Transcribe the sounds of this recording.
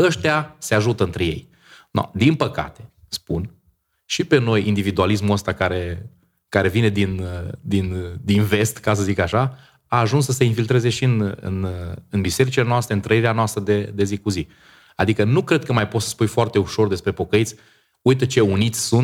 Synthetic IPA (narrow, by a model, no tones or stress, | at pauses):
əʃt̪ease̞aʒut̪əɨnt̪ɾe̞je̞̰j | na̰d̪inpəka̰t̪e̞̥spun | ʃipe̞no̞jind̪ivid̪ualis̬muəst̪akaɾe̞ | kaɾe̞vine̞d̪ind̪ind̪inve̞st̪kas̬əzikaʃa | aːʒunsːəseinfilt̪ɾe̞ze̞ʃiɨnɨ̰nɨnbise̞ɾit͡ʃilenoast̪ɾeɨnt̪ɾəiɾeanoast̪ɾəd̪e̞d̪e̞zikuzi | ad̪ikənukɾe̞d̪̚kəmajpot̪sə̥spujfoart̪e̞uʃo̞rd̪e̞spɾe̞po̞kəit̪sʲ | ujt̪ət͡ʃe̞unit̪sʲsunt̪